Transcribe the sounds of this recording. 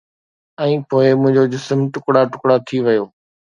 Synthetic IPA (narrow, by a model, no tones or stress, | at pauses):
ɛ̃ːpoːɪmʊ̃ɦɪ̃ɲd͡ʑod͡ʑɪsəmʈʊkɽaʈʊkɽat̪ʰiʋɐjoː